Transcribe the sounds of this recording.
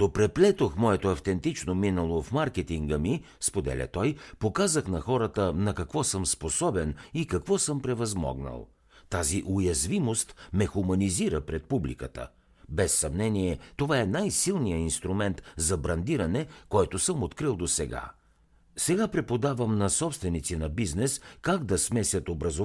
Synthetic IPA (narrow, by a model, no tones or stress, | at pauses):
d̪opɾɛplɛt̪oxmɔɛt̪oɐft̪ɛnt̪it͡ʃnominəlˠofmaɾkɛt̪iŋɡəmi | spod̪ɛ̰lʲə̰t̪ɔjpokazəxnɐxɔɾət̪ənɐkɐkvɔsəmsposɔbɛnikɐkvɔsɤmpɾɛvɐzmɔ̰ɡnə̰lˠ | t̪aziʔʊjɐzvimost̪mɛxumɐniziɾəpɾɛt̪̚publḭkə̰t̪ə̰ | bɛsːɐmnɛniɛt̪ovaɛnajsilˠnijəinst̪ɾumɛnt̪zɐbɾɐnd̪iɾɐnɛkɔjt̪ʊsəmot̪kɾilˠd̪osɛɡa̰ | sɛɡapɾɛpod̪avəmnɐsɔpst̪vɛnit̪sinɐbiznɛskaɡd̪ɐsmɛsʲɐt̪obɾɐzo